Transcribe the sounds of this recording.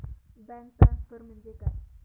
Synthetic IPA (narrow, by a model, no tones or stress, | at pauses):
bɛ̃ŋk̚ʈɾaskəɾm̤əɳd͡zekaj